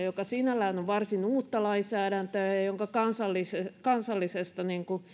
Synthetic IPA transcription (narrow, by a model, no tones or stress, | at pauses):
jokɑsinælæːnoʋʋɑrsinuːt̪ːɑlɑinsæːɾænt̪øɑjoŋkɑkɑnsɑlːisekɑnsɑlːisest̪ɑniŋku